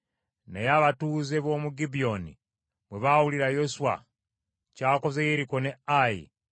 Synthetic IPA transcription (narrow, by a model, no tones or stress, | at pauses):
nḛjaβatuze̞βoːmuɡibio̞nḭ | βweβawuliɾajosuwa̰ | caːko̞zejeɾiko̞neajḭ